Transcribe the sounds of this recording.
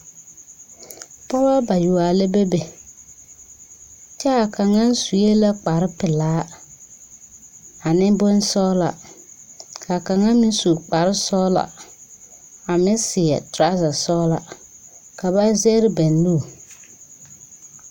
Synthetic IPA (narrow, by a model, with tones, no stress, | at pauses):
pɔ˦ba˦ba˨ju˨a˨le˦be˦be˨ | t͡ʃɛ˦a˨ka˨ŋa˦n˦su˨je˦la˦k͡pa˨ɾɪ˦pɪ˨laː˨˦ | a˨nɪ˦bʊ˦n˦sɔː˦la̰˨ | ka˨ka˨ŋa˦mɪ˦n˦su˨k͡pa˨ɾɪ˦sɔ˦la̰˨ | a˨mɪ˦sɪ˨ɛ̰˨tɾa˦za˨sɔ˦la̰˨ | ka˨ba˦zɛ˦ɾɪ˦bɛ˨n˦luː˦˨